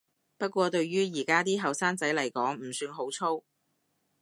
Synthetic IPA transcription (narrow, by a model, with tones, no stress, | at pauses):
pɐ˥t̚kʷɔː˧t̪ɵ˧ɥɥyː˥jiː˨˩kaː˥t̪̬iː˥ɦɐ˨˩wsaː˥ŋt͡sɐ˨˥jlɐ˨˩jkɔː˨˥ŋm̩˨˩syː˧nɦo˨˥wt͡sʰo˥w